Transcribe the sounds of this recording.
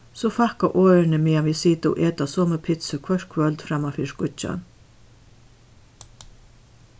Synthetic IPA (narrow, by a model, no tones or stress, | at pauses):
sɔfahkaʔoːɾɪnəmeːaʋiːsiːt̪ɪɔ̰ʔeːt̪asoːməpʰɪt̪səkʰʋœʂkʰʋœlt̪fɾamːafiːskʊt͡ʃa̰n